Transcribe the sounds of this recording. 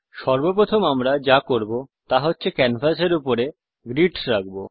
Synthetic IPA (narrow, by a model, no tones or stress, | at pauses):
ʃɔɾbopɾot̪ʰomamɾad͡ʑakoɾbot̪aɦotːɕʰekɛnfaseɾupoɾe | ɡɾiʈsɾak̚bo